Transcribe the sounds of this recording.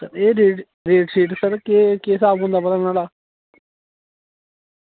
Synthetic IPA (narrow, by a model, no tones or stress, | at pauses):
səɾeːɾeːɖ | ɾeːʈsiːʈsəɾkeːkeːsaːbɦʊ̃nd̪aːbəd̪əlnaːlaː